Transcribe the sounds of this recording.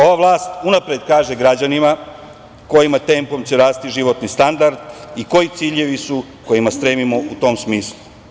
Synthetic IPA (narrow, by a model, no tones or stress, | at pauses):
o̞ʋaʋlˠaːst̪unapɾed̪kaːʒe̞ɡɾad͡ʑanima | ko̞jimat̪e̞ːmpo̞mt͡ɕeɾaːst̪iʒiʋo̞t̪nist̪and̪aɾd̪iko̞jit̪siːʎe̞ʋisu | ko̞jimast̪ɾeːmimo̞ut̪o̞ːmsmiːslˠu